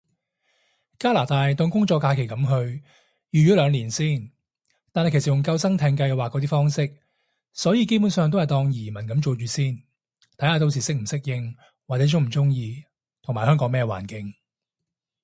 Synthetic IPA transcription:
kaː˥laː˨˩t̪aː˧jt̪ɔ˧ŋkʊ˥ŋt͡ʃɔː˧kːaː˧kʰe˨˩jkɐ˨˥mɦɵ˧ɥ | jyː˨˩ɥy˨˥lœː˨˧ŋliː˨˩nsiː˥˩n | t̪aː˨nhɐ˨jke˨˩s̚jʊ˨˩ŋkɐ˧wsɐ˥ŋt̪ʰɛː˧ŋkɐ˧jwaː˨kːɔː˨˥t̪iː˥fɔː˥ŋsɪ˥k̚ | sɔː˨˥jiː˧ke˥jp̬uː˨˥nsœː˨˧ŋt̪o˥hɐ˨jt̪ɔː˧ŋjiː˨˩mɐ˨˩nkɐ˨˧˥mt͡ʃo˨˧t͡ʃyː˨˥siː˥˩n | t̪ʰɐ˨˥jhaː˧t̪o˧ws̬iː˨˩sɪ˥k̚m̩˨˩sɪ˥k̚jɪ˧ŋ | waː˨t͡sɛ˨˥t͡sʊ˥ŋm̩˨˩t͡sʊ˥ŋjiː˧ | t̪ʰʊ˨˩ŋmaː˨˩jɦœː˥ŋkɔː˨˧˥ŋmɛː˥wa̰ː˨˩nkɪ˨˧˥ŋ

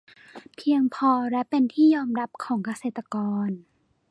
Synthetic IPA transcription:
pʰi˧əŋpʰɔː˧ɾɛ˦˥pe˧nt̪ʰiː˥˩jɔː˧mɾa˦˥p̚kʰɔː˩˦ŋka˧seː˨˩t̪ːa˧kɔː˧n

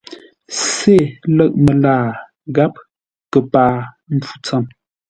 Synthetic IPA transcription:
se˦˨lə˦ʔ̚mə˨laː˦˨ | ɣa˦p̚ | kə˨paː˨ | m̩˦fu̥˦t͡sə˦˨m

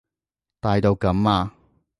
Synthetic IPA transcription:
t̪aː˨˧jt̪o˧wkɐ˨˥maː˧

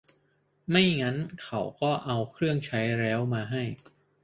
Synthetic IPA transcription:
ma˥˩jŋa˦˥nkʰa˧˩wkɔː˥˩ʔa˧wkʰɾɯ˥˩əŋt͡ɕʰa˦˥jɾɛː˦˥wmaː˧ɦa˥˩j

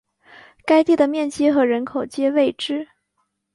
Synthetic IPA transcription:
ka˥ɪt̪i˥˩d̪ə˩mjɛ˥˩nt͡ɕi˥xɤ˧˥ɻə˧˥nkʰo˨˩ʊt͡ɕjɛ˥we˥˩ɪʈ͡ʂɻ̩˥

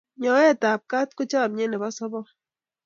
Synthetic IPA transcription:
ɲɔ˨˦ɛ˦˨ta˨p̚ka˦t̚ko˦t͡ʃa˦˨m̚ɲe˦nɛ˨bɔ˦sɔ˦bɔ˦

